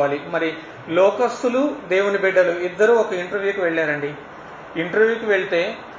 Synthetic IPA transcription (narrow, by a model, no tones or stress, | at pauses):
aːlimɐɾi | lɔːkɐst̪ulud̪eːwunibɛɖːɐluid̪ːɐɾuːɔkɐiɳʈɐɾʋjuːkiʋeɭːaːɾɐɳɖi | iɳʈɐɾʋjuːkiʋeɭit̪e̞ː